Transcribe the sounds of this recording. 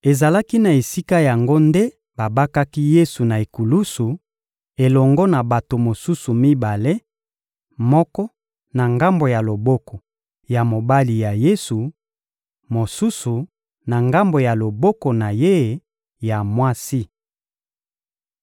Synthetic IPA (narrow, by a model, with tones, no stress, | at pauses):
e˨za˨la˦ki˦na˨e˨si˦ka˦ja˨ŋɡo˦nde˦ | ba˨ba˦ka˦ki˦je˦su˨na˨e˨ku˨lu˦su˨ | e˨lɔ˨ŋɡɔ˦na˨ba˨to˨mo˨su˦su˨mi˦ba˨le˦ | mɔ˦kɔ˦ | na˨ŋɡa˦mbo˨ja˨lo˨bɔ˦kɔ˨ | ja˨mo˨ba˦li˨ja˨je˦su˨ | mo˨su˦su˨ | na˨ŋɡa˦mbo˨ja˨lo˨bɔ˦kɔ˨na˨je˦˨ | ja˨mwa˦si˦